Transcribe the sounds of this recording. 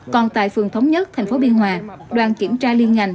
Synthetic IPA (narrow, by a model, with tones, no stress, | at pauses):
kɔ˨˩nt̪a̰ː˧˨jfɨ˨˩əŋt̪ʰə˨˦wŋ͡mɲə˦˥t̚t̪ʰɛ˨˩ŋ̟fo˨˦ɓi˧ənɦwaː˨˩ɗwaː˨˧˩nki˧˩əmt͡ɕaː˧li˧ənŋa˨˩jŋ